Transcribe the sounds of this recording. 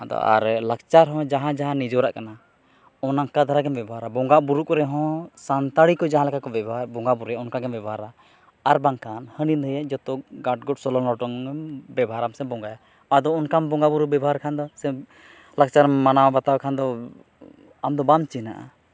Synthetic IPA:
ad̪ɔ̰a̰ɾlak̚t͡ʃaɾɦɔ̃d͡ʒaɦãd͡ʒaɦãnid͡ʒɔɾaʔkana | ɔnaŋkad̪ʱaɾaɡɛmbɛbʱɦaɾabɔŋɡaʔbuɾukɔɾɛɦɔ̃sant̪aɽikɔd͡ʒaɦãlɛkʰakɔbɛbaɾbɔŋɡabuɾɛaɔnkaɡɛmbɛbaɾa | aɾbaŋkʰanhənid̪ʱəjɛd͡ʒɔt̪ɔɡaʈ̚ɡɔʈsɔlɔlɔʈɔŋbɛbʱaɾamsɛbɔŋɡaja | ad̪ɔɔnkambɔŋɡabuɾubɛbɦaɾkʰand̪ɔsɛ | lak̚t͡ʃaɾmanawbat̪awɛkʰand̪ɔ | amd̪ɔbant͡ʃinaʔa̰

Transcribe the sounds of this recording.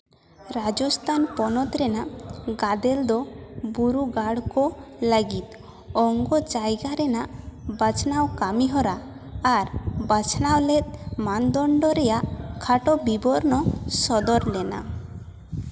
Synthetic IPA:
ɾad͡ʒɔst̪ʰanpɔnɔt̪ɾɛnaʔɡad̪ɛld̪ɔbuɾuɡaɽkɔləɡit̪ | ɔŋɡɔd͡ʒajɡaɾɛnaʔbat͡ʃʰnawkamiɦɔɾaː | ɾbat͡ʃʰnawlɛt̪̚mand̪ɔɳɖɔɾɛjaʔkʰaʈɔbibɔɾnɔsɔd̪ɔɾlɛna̰

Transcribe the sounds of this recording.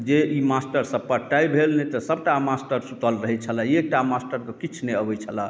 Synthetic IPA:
d͡ʒeʔimasʈəɾsəpːəʈajbʱelnet̪əsəbʈamasʈəɾsut̪əlɾəɦɛt͡ʃʰələ̃ek̚ʈamasʈəɾkɔkit͡ʃʰneəbɛt͡ʃʰələ

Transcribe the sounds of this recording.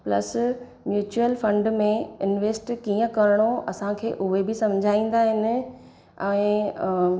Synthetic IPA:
plɐ̰s | mjuːt͡ɕuəlfɐ̃ɳɖmẽɪnʋeːsʈkiːə̃kɐɾɪɽ̃oɐsãkʰeːʔʊɦebɪsɐ̃m̤d͡ʑʱaːĩːn̆d̪aːɦɪnɪ̆ | ɛ̃ː

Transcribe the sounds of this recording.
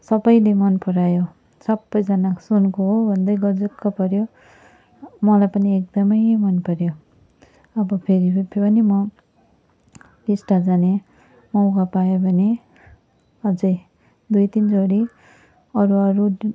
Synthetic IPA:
sʌbʌjlemʌnpʌɾajo | sʌbːʌjd͡zʌnaksonkoɦobʱʌnd̪ʌjɡʌd͡zekːʌpʌɾjo | mʌlajpʌniek̚d̪ʌmʌjmʌnpʌɾjo | ʌbʌpʰeɾipʰpʌnimʌ | lisʈad͡zane | mʌw̃kapajobʱʌne | ʌd͡zʌj | d̪ujt̪ind͡zoɽi | ʌɾuʌɾu

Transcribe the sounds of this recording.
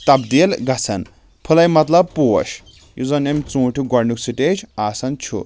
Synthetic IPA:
t̪ɐbd̪ilɡɐt͡sʰɐn | pʰulɐjmɐt̪lɐb̚pṵʃ | juzɐnemt͡sũːʈʰuɡɔɾnuksiʈed͡ʒaːsɐnt͡ʃʰṵ

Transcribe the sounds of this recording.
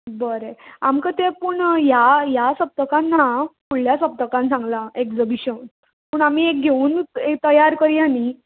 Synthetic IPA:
bəɾeamkət̪ẽpuɳjajasəp̚t̪əkãnːapuɽljasəp̚t̪əkãnsãŋɡlaekd͡zəbiɕən | pəːɳamiek̚ɡʱeuːnekt̪əjaɾkəɾiani

